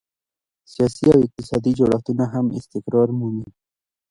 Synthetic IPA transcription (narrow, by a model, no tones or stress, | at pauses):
sijɑsiawɪq̚t̪ɪsɑd̪id͡ʒoɽaft̪unaɦamɪ̰st̪ɪkɾɑɾmuni